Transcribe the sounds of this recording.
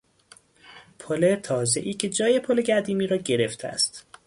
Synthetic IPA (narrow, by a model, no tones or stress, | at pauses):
pʰolet̪ʰɒːze̞ʔiːcʰe̞d͡ʒɒːje̞pʰoleɟæɾd̪iːmiːɾɒːɟeɾeft̪ʰæ̰st̪